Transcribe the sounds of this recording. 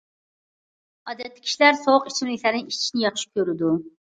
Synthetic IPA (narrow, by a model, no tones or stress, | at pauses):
ɑːd̪ɛt̪ːɪ̥kʲi̥ʃilæɾsoʊqit͡ʃʰimlɪkʲlæɾnɪŋit͡ʃʰi̥ʃinɪjɑχʃi̥kʲøɾɪd̪u